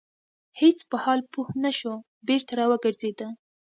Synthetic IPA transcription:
het͡spəhɑlpuhnaʃo | beɾt̪aɾɑwəɡəɾzed̪ə

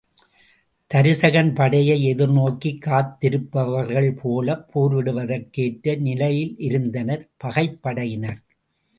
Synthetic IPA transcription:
t̪ɐɾɪsɐɣɐnpɐɽɐjɐɪɛðɪɾnoːkːikːaːt̪ːɪɾɯpːɐʋɐɾɣɐɭpʰoːlɐpʰːoːɾʋɪɽɯʋɐðɐɾkeːʈɾɐnɪlɐjɪlʔɪɾɯnd̪ɐnɐɾpɐɣɐɪpːɐɽɐjɪnɐɾ

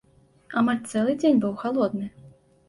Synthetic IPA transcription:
amalʲt̪sɛlˠɨd͡zʲenʲbɨwxalˠɔd̪nɨ

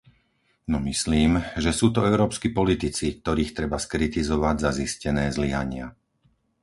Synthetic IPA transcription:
nɔmisliːmʒɛsuːt̪ɔɛʊɾɔːpskipɔlit̪it͡sik̚t̪ɔɾiːxt̪ɾɛbaskɾit̪izɔʋaɟzaziscɛnɛːzliɦa̰ɲɪa̰

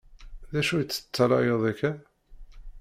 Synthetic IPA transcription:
ðæʃujət͡sːə̥t͡sːɑɾˤɑjəðˤækːæ

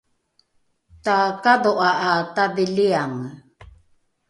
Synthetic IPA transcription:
t̪akadoʔaʔataðiliaŋ

